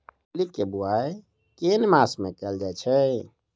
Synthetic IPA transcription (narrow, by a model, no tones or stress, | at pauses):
likːebuaj | kenmasmẽkɛld͡ʒaet͡ʃʰɛ